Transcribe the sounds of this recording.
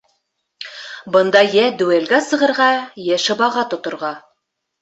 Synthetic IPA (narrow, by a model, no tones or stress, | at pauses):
bɤ̆nd̪ɑjæd̪ʉælɡæsɤ̆ʁɤ̆ɾʁɑjæʃɤ̆βɑʁɑt̪ŏt̪ŏɾʁɑ